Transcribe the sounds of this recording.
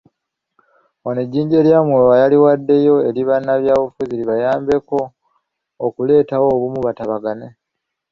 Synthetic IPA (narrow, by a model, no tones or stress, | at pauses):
oneɟːiːɲɟe̞ljamwuwajaliwadːe̞jo̞e̞ɾiβanːaβjaːβufuziɾiβajaːmbe̞ko̞ː | kule̞ːtawo̞ːβumuβataβaɡane